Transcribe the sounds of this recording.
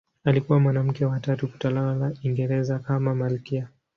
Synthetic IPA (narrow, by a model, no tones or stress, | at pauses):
alikuwamwanam̩kɛwatatuku̥talalalaiŋɡɛɾɛzakamamalkia